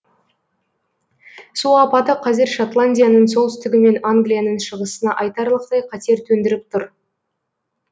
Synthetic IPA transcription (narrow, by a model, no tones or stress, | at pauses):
sulɑpɑt̪əqʰɑze̞ɾʃot̪lˠanʲdʲijanəɴso̞lˠt̪ʏ̥st̪ɪɡʲɪme̞naŋɡlʲijanəɴʃəʁəsənɑʔɑjt̪ɑɾlˠəqt̪ɑjqʰɑt̪e̞ɾt̪ʰɵnd̪ɪɾɪp̚t̪ʰʊɾ